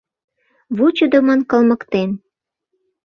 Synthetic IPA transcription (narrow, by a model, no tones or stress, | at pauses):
βut͡ɕud̪əmɑnkɤ̆lmə̆kt̪en